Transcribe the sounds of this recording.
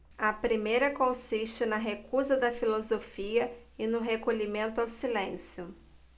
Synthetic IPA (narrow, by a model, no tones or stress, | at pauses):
ɐpɾimejɾɐkõsiʃt͡ʃɪnɐɦekuzɐd̪ɐfilozofiɐɪnʊɦekoʎimẽnt̪ʊawsilẽsjʊ